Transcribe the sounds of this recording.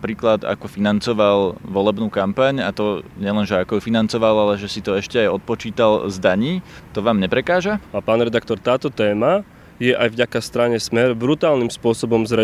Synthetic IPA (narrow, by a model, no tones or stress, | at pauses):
pɾiːklad̪a̰kɔfinant͡sɔʋalʋɔlɛbnuːkampaɲat̪ɔɲɪɛlɛnʒɛakɔjufinant͡sɔʋalalɛʒɛsit̪ɔɛʃcɛajɔt̪̚pɔt͡ʃiːt̪alzd̪aɲiːt̪ɔʋaːmɲɛpɾɛkaːʒaapaːnɾɛd̪akt̪ɔɾt̪aːt̪ɔt̪ɛːma | jɛʔajvɟakast̪ɾaɲɛsmɛɾbɾut̪aːlnimspʊɔsɔbɔmzɾɛ